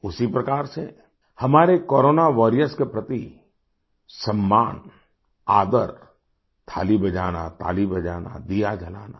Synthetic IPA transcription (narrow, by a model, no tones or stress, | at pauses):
ʊsipɾɐkaːɾsḛ | hɐmaːɾekoːɾoːnaʋɔɾijəskepɾɐt̪i | sɐmːaːn | aːd̪əɾ | t̪ʰa̰ːlibɐd͡ʒaːna̰t̪a̰ːlibɐd͡ʒaːna̰d̪ijad͡ʒʱɐla̰ːna̰